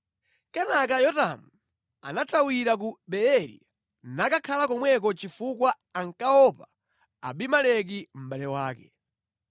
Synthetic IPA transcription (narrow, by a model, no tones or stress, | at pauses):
kɛnak̬ajɔtamu | a̰natʰawiɾak̬uɓɛɛɾḭ | nakakʰalakɔmwɛk̬ɔt͡ʃifukwa | aŋkaɔpa̰ː | ɓimalɛk̬im̩ɓalɛwaːkɛ